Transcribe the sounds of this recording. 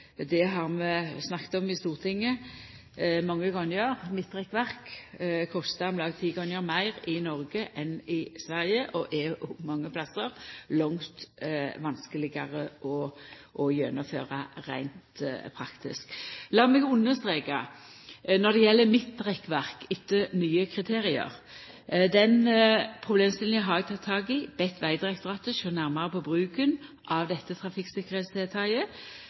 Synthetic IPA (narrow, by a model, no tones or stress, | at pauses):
d̪ɛɦɑʁmɛsnɑkt̪ɔmɪst̪uːʁt̪ʰɪŋːə | mɑŋːəɡʁɔnjəʁmɪt̪ːʁɛkːʋæʁkkʰɔst̪ɑmlɑːɡt̪ʰiːɡʁɔnjəɾmæɪʁɪnɔʁɡəʔɛnɪsʋæʁjəʔɔʔɛɔmɑŋːəpʰlɑsːəʁlɔŋt̪ʋɑnskəlɪɡɑʁəʔɔʔɔjœnɔfø̰ːʁɑɾæ̰ɪnt̪pʰɾɑkt̪ɪ̰sklɑːmɛɡʊnːəst̪ʁeːkɑ | nɔd̪ɛjɛlːəmɪt̪̚d̪ʁɛkːʋæʁkɪt̪ːənyːəkʰɾɪt̪ʰeːɾɪə̰ʁ | d̪ɛnpʰʁʊbleːmst̪ɪl̩jɪɦɑɾʋɛt̪ʰɑt̪ʰːɑːɡɪb̥ɛt̪ʰːʋæɪd̪ɾɛkt̪əʁɑt̪əʃoːnæʁmɑʁəpʰɔbʁʉːkənʔɑʋd̪ɛt̪ːət̪ʰʁɑfɪksɪkːəɾheːt̪sd̪eːt̪ʰɑɪə